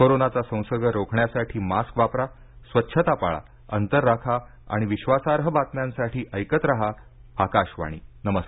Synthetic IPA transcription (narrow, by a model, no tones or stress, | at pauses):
koɾonat͡sasə̃w̃səɡəɾokʰɳjasaʈʰiːmaskʋapɾa | sʋətːɕʰət̪apa̰ɭa̰ | ənt̪əɾːakʰaa̰ɽ̃iʋiɕʋasaɾɦəbat̪njãnsaʈʰiːʔəjkət̪ɾaɦa | akaɕʋa̰ɽ̃ḭːnəməs